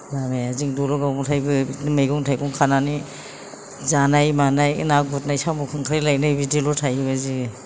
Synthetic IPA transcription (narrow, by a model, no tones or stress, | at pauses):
bamejaziŋdɔlɔɡawmɔtʰajbɯmajɡɔŋtʰajɡɔŋkʰanani | zanajmanajnak̚but̚najsamukʰɯŋkʰaɾilajnajbidilɔtʰajbazi